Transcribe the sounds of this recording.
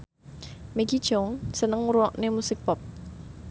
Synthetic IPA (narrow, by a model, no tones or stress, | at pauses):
meɡid̥ʒ̥ɔŋsənəŋuɾuɔʔnemusɪk̚pɔp̚